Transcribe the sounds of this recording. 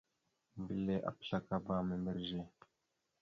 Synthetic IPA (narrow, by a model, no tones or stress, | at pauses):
bileʔa̰pɬakabaːmembəɾʒe